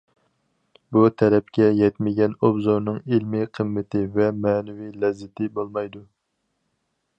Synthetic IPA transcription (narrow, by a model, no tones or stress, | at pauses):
but̪ʰɛɾɛp̚kʲɛjɛt̪mɪɡʲɛnobzoɾnɨŋilmɪqʰəmːɪt̪ʰɪvɛmɛːnɪwilɛzːɪt̪ʰɪbolˠmɑjd̪u